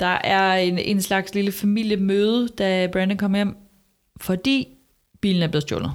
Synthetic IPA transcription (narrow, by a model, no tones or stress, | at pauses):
d̥ɑ̈ʔæɐe̝ne̝nslɑ̈ɡ̥sliləfæmil̰jəmøːð̞ˠəd̥æb̥ʁænd̥əkʰɒ̽m̰ɐjem̰ | fɒ̽d̥ḭː | b̥ḭːln̩æɐb̥le̝ð̞̩ˠd̥jo̰ːlnð̩ˠ